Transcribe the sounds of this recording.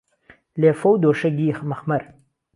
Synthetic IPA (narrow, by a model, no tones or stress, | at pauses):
leːfowd̪oːʂɐɡiːxmɐxmɐɾ